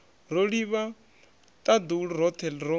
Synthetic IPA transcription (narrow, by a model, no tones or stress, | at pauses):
roɺiβa | t̪ʼad̪uɺuɾɔt̪ʰɛlɾo